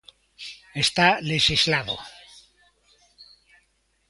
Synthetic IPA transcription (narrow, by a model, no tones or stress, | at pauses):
est̪aleʃizlaðo̰